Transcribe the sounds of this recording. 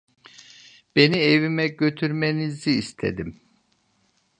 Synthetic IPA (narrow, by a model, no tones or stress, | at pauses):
b̥enievimɛɟø̞t̪ʰyɾmeniziːst̪ʰe̞̰d̪im